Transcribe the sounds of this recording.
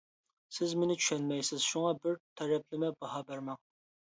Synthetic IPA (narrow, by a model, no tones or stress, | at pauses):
sɪzmɪnɪt͡ʃʰy̥ʃɛnmɛjsɪz̥ʃuŋɑbɪɾt̪ʰɛɾɛp̚lɪmɛbɑhɑbæɾmɛŋ